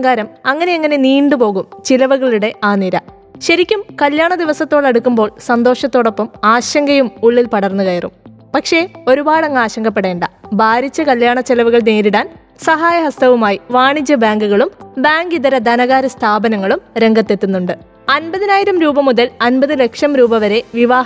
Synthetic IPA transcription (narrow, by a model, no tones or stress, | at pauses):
ŋɡaːɾɐmɐŋːɐne̞ɐŋːɐne̞niːɳɖɨpo̞ːɣumt͡ɕilɐʋɐɣɐɭuɽe̞ʔaːniɾɐ | ɕɐɾikʲːumkɐljaːɳɐd̪iʋɐsɐt̪ːoːɽɐɽukːumbo̞ːɭsɐnd̪o̞ːʂɐt̪ːoːɽo̞pːɐmaːɕɐŋɡɐjumuɭːilpɐɽɐrnːukɐjɐrṵm | pɐkʂe̞o̞ɾubaːɽɐŋːaːɕɐŋɡɐpːe̞ɽe̞ːɳɖɐbʱaːɾit͡ɕːɐkɐljaːɳɐt͡ɕelɐʋuɣɐɭneːɾiɽaːn | sɐɦaːjɐɦɐst̪ɐʋumaːjiʋaːɳit͡ɕːɐbaːŋɡuɣɐɭumbaːŋɡiðɐɾɐd̪ɐnɐɣaːɾɐst̪ʰaːbɐnɐŋːɐɭumɾe̞ŋɡɐt̪ːe̞t̪ːunːuɳɖɨ | ɐnbɐðinaːjiɾɐmɾuːbɐmuðɐlɐnbɐðɨle̞kʂɐmɾuːbɐʋɐɾe̞ʋiʋaːɦ